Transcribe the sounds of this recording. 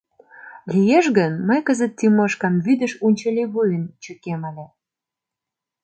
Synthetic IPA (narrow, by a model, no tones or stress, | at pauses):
lʲijeʃɣənməjkəzə̆t̪ːimɤʃkɑmβyd̪ə̆ʃunʲt͡ɕɑlʲiβujənt͡ɕəkeməlʲe